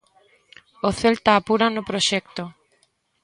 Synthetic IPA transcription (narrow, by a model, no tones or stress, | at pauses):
oθelt̪aːpuɾanʊpɾoʃɛk̚t̪o